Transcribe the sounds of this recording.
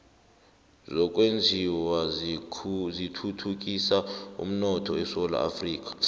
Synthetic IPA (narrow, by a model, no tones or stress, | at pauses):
zɔk̬ʼwend͡zʱiwa | zitʰutʰuk̬ʼisaṵm̩nɔtʰɔɛsɔla̰a̰friːk̬ʼḁ